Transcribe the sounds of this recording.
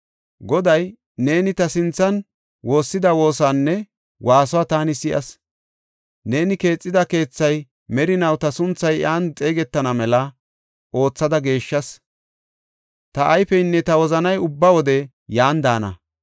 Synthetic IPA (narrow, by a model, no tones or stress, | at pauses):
ɡɔd̪ɐj | ne̞ːnɪt̪ɐsɪnt͡sːɐn | wʔo̞ːsːɪd̪ɐwo̞ːsanːɛ | wʔaːsɔaːt̪aːnɪsɪʔɐ̰s | ne̞ːnɪke̞ːt͡sʼːɪd̪ɐke̞ːt͡sːɐj | mɛɾɪnɐwt̪ɐsʊnt͡sːɐjʔaːnt͡sʼe̞ːɡɛt̪ːɐnɐmɛlɐ | ʔo̞ːt͡sːɐd̪ɐɡe̞ːʃːɐs | t̪ɐʔːjfɛjnːɛt̪ɐwɔzɐnɐjʊbːɐwɔd̪ɛ | jaːnd̪aːnɐ̰